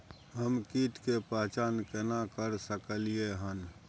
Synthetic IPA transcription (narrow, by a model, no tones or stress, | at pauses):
ɦəmkiːʈ̪kepat͡ʃaːnkenakəɾsəkəlieɦən